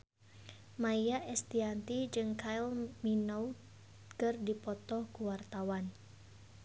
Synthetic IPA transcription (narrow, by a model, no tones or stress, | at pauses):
majjaʔɛst̪iant̪id͡ʒɨŋkailminow | kərdipɔt̪ɔhkuwart̪awan